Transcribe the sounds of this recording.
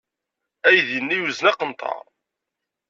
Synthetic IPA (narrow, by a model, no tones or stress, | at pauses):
æjðənːijuznæqənt̪ʰˤɑ̰ɾˤ